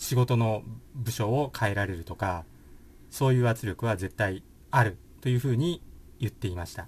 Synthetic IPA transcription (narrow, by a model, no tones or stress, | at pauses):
ɕiɡo̞t̪o̞no̞bɯ̟ɕo̞ːkʰae̞ɾaɾe̞ɾɯ̟t̪o̞ka | so̞ːjɯ̟ːβat͡sɨɾʲjo̞kɯ̟β̞aze̞t̪ːai | aɾɯ̟ | t̪o̞jɯ̟ːɸɯ̟ːɲ̟ijɯ̟t̪ːe̞imaɕi̥t̪a